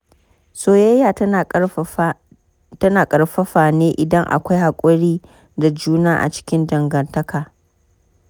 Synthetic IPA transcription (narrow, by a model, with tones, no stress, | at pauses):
soː˦jɐ˦jaː˨ | tɐ˦naː˨kʼɐ˨ɾɸɐ˦ɸaː˨neː˦ʔɪ˨dɐ˦ŋʔa̰˨kʷa˦jha˨kʷʼʊ˦ɽiː˦ | da˨d͡ʒuː˦naː˦ʔa̰˨t͡ʃɪ̥˦kʲɪ˦ndɐ˨ŋɡɐ˨ntɐ˦kaː˨